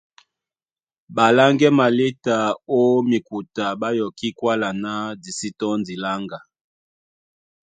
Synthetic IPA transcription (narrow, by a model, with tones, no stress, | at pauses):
ba˨la˦ŋɡɛ˦ma˨le˦ta˨o˦mi˨ku˨ta˨ba˦jɔ˨ki˦kwa˦la˨na˦di˨si˦tɔ˦ndi˨la˦ŋɡa˨